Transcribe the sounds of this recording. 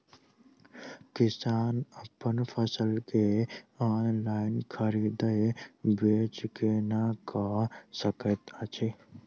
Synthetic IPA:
kɪsaːnəpənpʰəsəlkeaːnlaːɪnkʰəɾiːd̪əbeːt͡ʃkenakasəkət̪at͡ʃʰe

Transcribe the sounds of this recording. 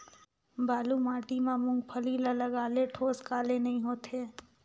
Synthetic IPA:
baːlumaːʈimamʊ̃ŋɡ̚pʰəliːlɐləɡaːleʈʰoːskaːlenɐɦĩɦoːt̪eː

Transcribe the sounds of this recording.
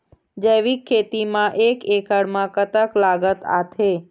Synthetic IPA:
d͡ʒəʋikʰːet̪imãʔekekəɽmãkət̪əklaɡət̪a̰t̪ʰe

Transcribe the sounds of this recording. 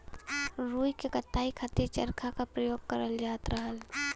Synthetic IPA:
ɾuːjkekət̪ːaːikʰət̪iɾt͡ʃəɾkʰakapɾəjoːɡ̚kəɾəld͡ʒaːt̪ɾəɦəl

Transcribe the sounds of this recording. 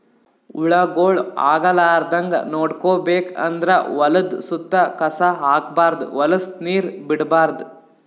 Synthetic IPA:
uɭɐɡoːɭa̰ːɡɐlaːɾd̪ɐŋɡɐ̰noːɽkoːbeːkɐ̰nd̪ɾɐʋɐlɐd̪sut̪ːɐkɐsɐɦaːkbaːɾd̪ṵʋɐlɐsniːɾbiɽbaːɾd̪u

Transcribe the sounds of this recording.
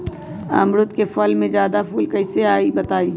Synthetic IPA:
a̰ːmɾʊt̪kefɐlmẽd͡ʒjaːd̪apuːlkɐɪseaːibɐt̪aːiː

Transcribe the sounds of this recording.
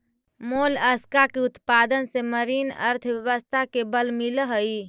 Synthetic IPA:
moləskakeut̪pad̪ənseməɾinə̰ɾt̪ʰbjəʋəst̪ʰakebəlmiləɦəi

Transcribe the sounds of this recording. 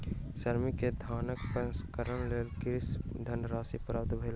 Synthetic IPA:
səɾmiked̪ʱaːnəkpəskəɾəɳleɾɡɾɪsd̪ʱənɾaːsipɾaːp̚t̪bʱɐɪla

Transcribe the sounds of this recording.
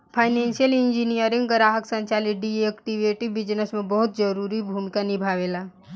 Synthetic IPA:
pʰaɪnensijəlind͡ʒinijəɾĩŋɡɡəɾaːɦəksə̃ɲt͡ʃalit̪̚ɖiekʈiʋeʈibid͡ʒnəsmẽbɔɦut̪d͡ʒəɾuɾibʱumikanibʱaːʋela

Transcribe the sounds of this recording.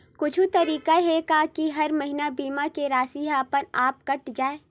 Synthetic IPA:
kʊt͡ʃʰut̪ɐɾiːkaɦekakiɦɐɾmɐɦɪnabiːmakeɾaːsiaːpəɾaːp̚kɐʈd͡ʒaːeː

